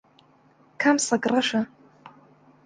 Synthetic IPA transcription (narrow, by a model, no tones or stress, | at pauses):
kʰamsakʼraʂa